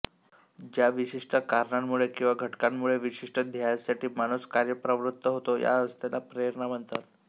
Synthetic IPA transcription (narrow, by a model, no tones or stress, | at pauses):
d͡ʑjaʋiɕiʂʈəkaɾɳamːuɭekĩw̃ʋaɡʱəʈkamːuɭeʋiɕiʂʈəd̪ʱjajsaʈiːmañuskaɾjəpɾəʋɾut̪ːəɦot̪oja̰əst̪elapɾeɾɳam̤əɳt̪a̰t̪̚